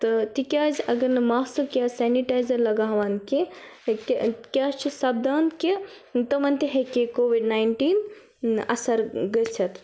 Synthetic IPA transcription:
t̪ɨt̪ikʲaːzʲɐɡɐɾnɨmaːsɐkʲaːsɛːniʈaːjzɐɾlɐɡaːɦʋaːnkekkʲaːt͡ʃʰisɐb̚d̪aːnke | t̪ɐmɐnt̪iɦekʲekoːʋiɖnaːjɳʈiːn | ɐ̰sɐɾɡəsʰɐt̪

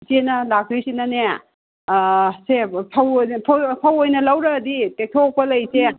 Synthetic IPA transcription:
senɐlak̚ɾisinane | sepʰawpʰpʰawojnɐlawɾɐditek̚tʰok̚pɐlɐjse

